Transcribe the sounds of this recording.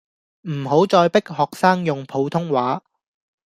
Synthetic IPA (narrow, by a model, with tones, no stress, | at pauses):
m̩˨˩ɦo˨˥wt͡sɔː˧jpɪ˥k̚hɔː˨k̚saː˥ŋjʊ˨ŋpʰo˨˧˥wt̪ʰʊ˥ŋwaː˨˥